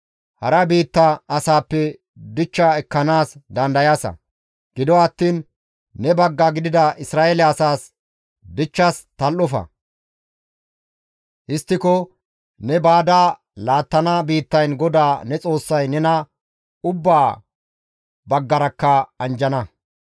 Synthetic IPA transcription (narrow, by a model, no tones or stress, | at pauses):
hɐɾɐbiːt̪ːɐɐsaːpːɛ | d̪ɪt͡ʃːaɛkːɐnaːsd̪ɐnd̪ɐjaːsɐ̰ | ɡ̥ɪd̪ɔɐt̪ːiːnː | ɛbɐɡːaɡɪd̪ɪd̪ɐʔɪsɾaːʔɛlɛɐsaːs | b̪ɪt͡ʃːast̪ɐlʔɔfɐ̰ | ʔɪst̪ːɪkɔ | nɛbaːd̪aː | laːt̪ːɐnabiːt̪ːɐjnɡɔd̪aːnɛt͡sʼo̞ːsːɐjnɛnɐ | ʊbːaː | bɐɡːɐɾɐkːɐɐnd͡ʒɐnɐ